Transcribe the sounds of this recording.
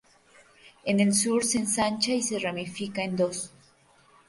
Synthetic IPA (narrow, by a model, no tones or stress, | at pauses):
e̞ne̞lsuɾsensant͡ʃaise̞ramifikaend̪o̞s